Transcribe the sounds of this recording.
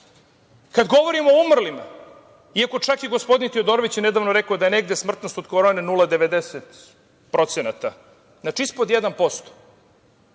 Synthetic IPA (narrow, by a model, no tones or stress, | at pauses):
kad̪ɡo̞ʋoɾimoːumr̩lima̰ | iako̞t͡ʂakeɡo̞spo̞d̪int̪iod̪oɾoʋit͡ɕjene̞d̪aːʋnoɾe̞kaod̪aje̞ne̞ɡd̪esmr̩t̪nost̪od̪koɾonenulˠad̪eʋe̞d̪eset̪ | pɾʔo̞t̪senat̪a | znat͡ʃiispod̪jed̪anpo̞st̪o̥